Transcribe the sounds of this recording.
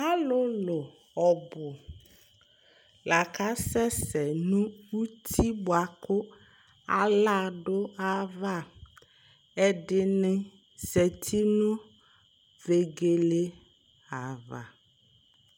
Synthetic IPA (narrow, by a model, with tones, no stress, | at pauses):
a˦lʊ˦lʊ˨ | ɔ˨bʊ˨ | la˨kʰa˦sɛ˦sɛ˨nũ˦wu˦t̪ʰi˦bʊ˨a˨kʊ˦ | a̰˨la˦ɖʊ˦a˦va˦˨ | ɛ˨ɖɪ˦nɪ̃˦ | sɛ˨t̪ʰi˦nʊ̃˦ | ve˨ɡe˨le˦ | a˨va̰˨